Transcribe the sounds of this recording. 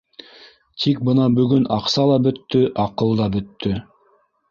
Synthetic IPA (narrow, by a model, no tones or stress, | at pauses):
t̪ʰik̚bɤnɑbɵɡɵnɑqsɑlˠɑbɵt̪ːɵʔɑqɤlˠd̪ɑbɵt̪ːɵ